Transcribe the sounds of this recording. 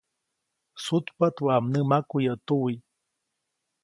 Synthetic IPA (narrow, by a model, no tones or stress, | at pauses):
sut̪pat̪waamnəmakujat̪uwi